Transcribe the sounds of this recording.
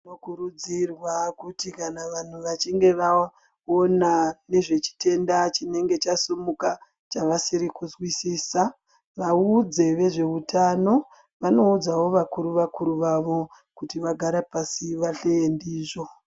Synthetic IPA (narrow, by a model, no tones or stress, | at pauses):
nokuɾud͡zirwakutikanaʋan̤uʋat͡ʃiŋɡe̞ʋa | onane̞ʐe̞t͡ʃi̥te̞ndat͡ʃine̞ŋɡe̞t͡ʃasumuka | t͡ʃaʋasiɾikuzwisiːsa | ʋaud͡ze̞ʋe̞ʐe̞utʰano̞ | ʋano̞ud͡zawo̞ʋakuɾuʋakuɾuʋaʋo̞ | kutiʋaɡʱaɾapasiʋaɬeendiːʐo̞